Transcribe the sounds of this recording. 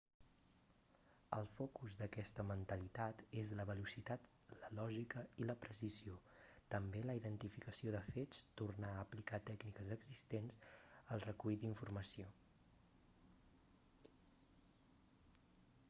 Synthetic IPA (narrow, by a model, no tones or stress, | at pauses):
ə̰lˠfɔkuzðəkɛst̪əmənt̪əlit̪at̪ezləβəlusit̪at̪ | ləlɔʒikəiləpɾəsizio | t̪əmbeləiðənt̪ifikəsioðəfet͡st̪urnaəːplikat̪ɛknikəzəɡzist̪ensəlˠrəkujd̪iɱfurməsio